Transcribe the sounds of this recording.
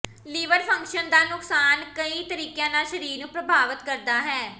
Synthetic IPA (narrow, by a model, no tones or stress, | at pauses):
liːʋəɾpʰə̃ŋkʃənd̪aːnʊksaːnkəĩːt̪əɾiːkjãːnaːʃəɾiːɾnũːpɾəbʱaːʋət̪kəɾd̪aːɦɛː